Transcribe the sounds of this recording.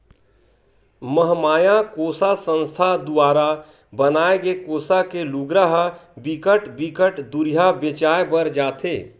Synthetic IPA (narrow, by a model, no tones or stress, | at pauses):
məɦmaːjãkoːsasə̃nst̪ʰad̪ʊaːɾa | bənaːeɡekoːsakeluɡɾəɦbikəʈbikəʈd̪uɾijabet͡ʃaːebəɾd͡ʒaːt̪ʰeː